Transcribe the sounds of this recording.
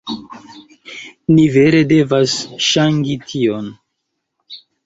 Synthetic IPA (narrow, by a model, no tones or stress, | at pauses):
nive̞ɾe̞de̞vasʃaŋɡitʰion